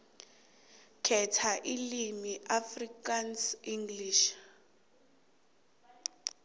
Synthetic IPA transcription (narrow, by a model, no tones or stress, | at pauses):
kʰɛtʰaʔilimiʔafrikansiŋɡliʃ